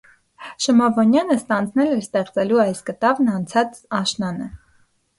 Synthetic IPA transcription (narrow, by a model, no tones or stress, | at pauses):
ʃəmɑvɔnjɑnəst̪ɑnd͡znɛlɛɾst̪ɛχt͡sɛluɑjskət̪ɑvnɑnt͡sʰɑt͡sɑʃnɑnə